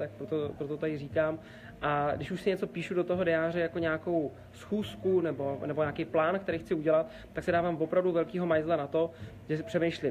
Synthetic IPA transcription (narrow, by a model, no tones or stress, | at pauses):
t̪ak̚pɾot̪opɾot̪ot̪adɪriːkaːm | ʔadɪʃuʃsɪɲɛt͡so̞piːʃudo̞t̪oɦo̞dɛjaːrɛjako̞ɲaːko̞w | sxuːskunɛbo̞nɛbo̞ɲaːkejplaːnkt̪ɛɾijxt͡sɪuɟɛlat̪̚ːaksɪdaːvaːmvo̞pɾavduvɛlkiːɦo̞majzlanat̪o̞ | ʒɛsɪ̥pr̥ɛmejʃlɪm